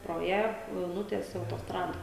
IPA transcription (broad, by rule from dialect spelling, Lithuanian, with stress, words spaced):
proː ˈjæː jɛʊ ˈnʊtʲiɛsʲɛ ɐʊtoːsˈtrɑːdɐ